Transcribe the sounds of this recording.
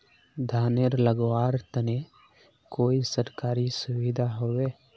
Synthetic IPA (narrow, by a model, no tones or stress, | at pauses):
d̪ʱaːneɾləɡwaːɾt̪əne | koːisəɾkaːɾisʊwid̪ʱaɦoːweː